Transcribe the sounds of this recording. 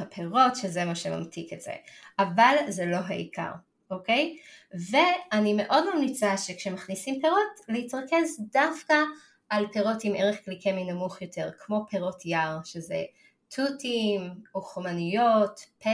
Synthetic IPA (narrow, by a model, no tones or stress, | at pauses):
apʰeʁo̞tʃezemaʃema̰mtʰiketz̥ḛʔavalzelo̞ɦa̰ḭkʰa̰ʁ | ʔokejve̞anime̞ʔo̞dmamnit͡saʃekʃemaχnisimpeʁo̞tlehitʁake̞sdafkaː | lpeʁo̞timeʁeχklikeminamuχjo̞tʰe̞ʁkʰmo̞pʰeʁo̞tʰjaʁʃezḛ | tʰutʰimoχomanijotp